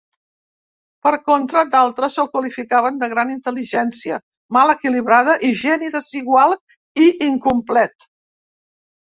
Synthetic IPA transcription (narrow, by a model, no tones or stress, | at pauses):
pəɾkont̪ɾəd̪alˠt̪ɾəsəlˠkwəlifikaβənd̪əɣɾanint̪əliʒɛnsiə | malˠəkiliβɾað̞əʔiʒɛniðəziɣwalˠ | iiŋkumplɛt̪